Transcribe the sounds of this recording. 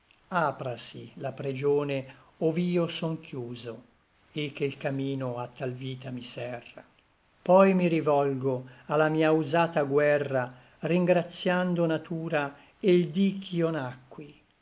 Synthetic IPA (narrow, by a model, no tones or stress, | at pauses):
aːpɾasilapɾid͡ʒoːne | oviːosɔŋkjuːzo | ek̟ːelkamiːnoat̪ːalviːt̪amisɛrːa̰ | pɔjmiɾivɔlɡoalːamiːauzaːt̪aɡwɛrːa | riŋɡɾat̪sːjand̪onat̪uːɾa | eld̪ikʰːionakːwi